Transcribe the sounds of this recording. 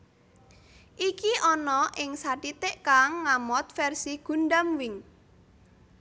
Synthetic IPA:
ʔikiʔɔnɔʔɪŋsaʈit̪eʔkaŋːamɔt̪̚fɛrsiɡ̥ṳnɖamwɪŋ

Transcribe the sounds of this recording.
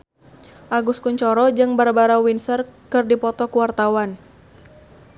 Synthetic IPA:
ʔaɡuskuɲt͡ʃɔɾɔd͡ʒɨŋbaɾabaɾawinsərkɨrdipɔt̪ɔkuwart̪awan

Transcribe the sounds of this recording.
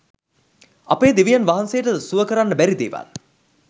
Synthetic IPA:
apeːd̪iʋijanʋaɦansejəʈəsuʋəkəɾanːəbæɾid̪eːʋa̰l

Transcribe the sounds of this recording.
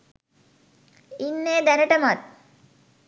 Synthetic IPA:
inːeːd̪ænəʈəmat̪̚

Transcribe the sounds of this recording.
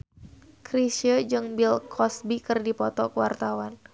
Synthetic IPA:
kɾisəd͡ʒɨŋbilkʰɔsbikɨrdipɔt̪ɔkəwa̰rt̪awan

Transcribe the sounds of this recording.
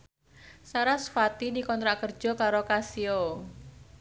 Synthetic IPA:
saɾasfat̪idikɔnt̪ɾaʔkər̥d͡ʒ̥ɔ̤kaɾokasio

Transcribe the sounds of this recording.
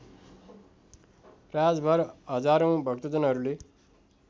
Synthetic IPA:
rad͡zbʱʌɾɦʌd͡zaɾõw̃bʱʌkt̪ʌd͡zʌnɦʌɾule

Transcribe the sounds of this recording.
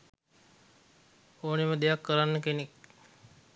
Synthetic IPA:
oːneməd̪ejakːəɾanːəkenek

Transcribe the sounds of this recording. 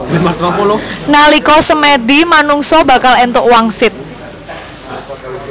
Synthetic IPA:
matapɔlnalikɔsəmed̪imanuŋsɔbakalɛnt̪ʊʔwaŋsɪt̪̚

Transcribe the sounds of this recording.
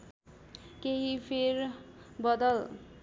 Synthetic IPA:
keɦipʰerbʌd̪ʌl

